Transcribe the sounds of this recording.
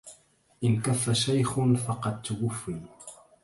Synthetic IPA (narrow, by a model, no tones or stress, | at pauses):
ʔɪnkafːaʃajxnfɑqɑd̪̚t̪ʊwʊfːiː